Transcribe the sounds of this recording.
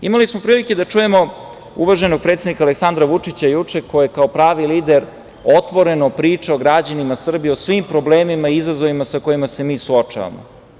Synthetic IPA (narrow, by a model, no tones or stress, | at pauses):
ḭmalismo̞pɾiːlike̞d̪at͡ʂuje̞mo̞ | uʋaʒe̞no̞ɡ̚pɾet̪ed̪nikale̞ksand̪ɾaʋut͡ʂit͡ɕajut͡ʂe̞kojjekao̞pɾaːʋiliːd̪e̞ɾ | o̞t̪ʋo̞ɾe̞nopɾiːt͡ʂeoɡɾad͡ʑanimasr̩bijeosʋimpɾo̞ble̞ːmimaiizazo̞ʋimasako̞jimase̞miːsuot͡ʂa̰ʋa̰mo̰